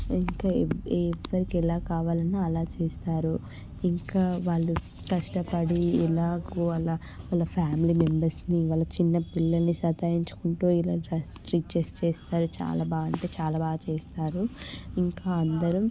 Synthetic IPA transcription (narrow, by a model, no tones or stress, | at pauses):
iŋkaːʋːɐɾikɛlaːkaːʋaːlɐniɐlaːt͡ʃeːst̪aːɾu | iŋkaːʋaːɭːu | kɐʂʈɐpɐɽiɛlaːkuɐla | ʋaːlːɐpʰaːmilimembɐɾsniʋaːlːɐt͡ʃinːɐpilːɐlnisɐt̪aːjiɲt͡ʃu̥kuɳʈuːilaːɖɾɐsʈɾik̚t͡ʃeːst͡ʃeːst̪aːɾut͡ʃa̰ːlaːbaːɡɐɳʈe̞ːt͡ʃaːlaːbaːɡɐt͡ʃeːst̪aːɾuiŋkaːɐnd̪ɐɾum